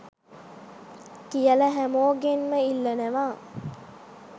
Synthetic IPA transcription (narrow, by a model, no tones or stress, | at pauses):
kijələɦæmoːɡenməilːɐnəʋaː